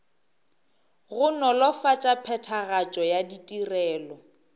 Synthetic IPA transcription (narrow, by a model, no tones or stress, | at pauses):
ɣʊnɔlɔfat͡ʃʼapʰɛtʰaɣat͡ʃʼɔjaditʼirɛːlɔ